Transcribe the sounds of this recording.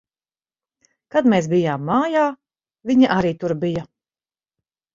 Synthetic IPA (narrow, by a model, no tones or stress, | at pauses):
kad̪meːsbijaːmːaːjaː | viɲaʔaɾiːt̪uɾbija